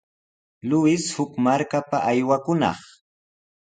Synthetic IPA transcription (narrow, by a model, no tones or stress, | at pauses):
lʊɪshʊkmaɾkapaʔajwakʊnɑ̰χ